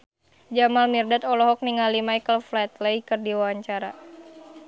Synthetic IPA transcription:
d͡ʒamalmirdat̪ɔlɔɦɔk̚niŋalimajkəlflat̪ləikɨrdiwaaɲt͡ʃaɾa̰

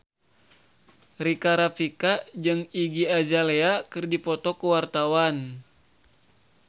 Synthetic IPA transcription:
rikaɾafikad͡ʒɨŋiɡiad͡ʒaleakɨrdipɔt̪ɔkuwart̪awan

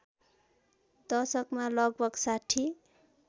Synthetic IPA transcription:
d̪ʌsʌkmalʌɡ̚bʌksaʈʰi

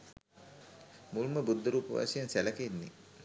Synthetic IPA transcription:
muluməbud̪ʱːəɾuːpəʋa̰ːsijansæləkəinːḭ

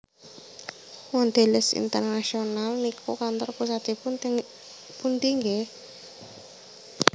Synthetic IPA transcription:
wand̪̥e̤lɪsḭnt̪ərnaʃionalnikʰo̰kant̪ɔrpusad̪̥e | punt̪iŋɡe

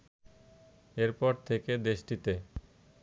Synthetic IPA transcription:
eɾpɔɾt̪ʰeked̪eʃʈit̪e

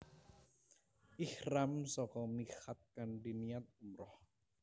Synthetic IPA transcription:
ʔihramsɔkɔmixat̪̚kanɖinijat̪̚umɾɔh

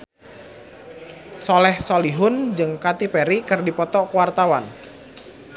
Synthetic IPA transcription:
sɔlɛhsɔliɦʊnd͡ʒɨŋkat̪ipɛɾikɨrdipɔt̪ɔkwart̪awan

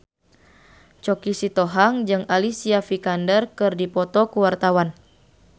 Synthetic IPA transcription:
t͡ʃɔkisit̪ɔɦaŋd͡ʒɨŋalisiafikandərkɨrdipɔt̪ɔkuwart̪awan

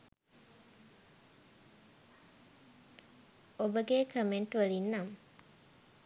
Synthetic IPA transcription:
obəɡekʰəmeɳʈuʋəlinːɐm

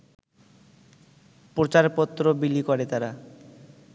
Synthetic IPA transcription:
pɾot͡ɕaɾpɔt̪ːɾobilikɔɾet̪aɾa

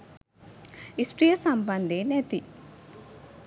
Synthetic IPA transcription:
isʈɾijɐsɐmbɐnd̪enet̪i

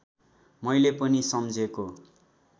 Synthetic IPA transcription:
mʌjlepʌnisʌmd͡zʱeko

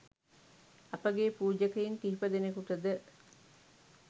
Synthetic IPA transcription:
ɐpəɡepuːd͡ʒəkejiŋkiɦipəd̪enekuʈ̪əd̪ə

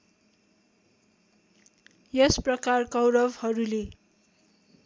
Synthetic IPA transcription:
jʌsprʌkarkʌwɾʌbhʌɾule

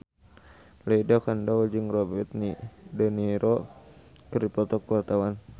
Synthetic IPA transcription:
leidakandad͡ʒɨŋrɔbɛt̪̚nidəniɾʔɔ | kəripɔt̪ɔkːəwart̪awan

